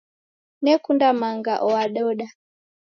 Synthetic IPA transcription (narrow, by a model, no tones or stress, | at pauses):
nɛkundamaŋɡa̰ʔɔwaɗɔɗa